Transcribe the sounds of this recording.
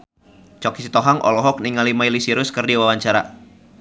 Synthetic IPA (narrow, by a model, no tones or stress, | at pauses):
t͡ʃɔkisit̪ɔɦaŋʔɔ̰lɔɦɔk̚niŋalimailisiɾʊskɨrdiwawaɲt͡ʃaɾa̰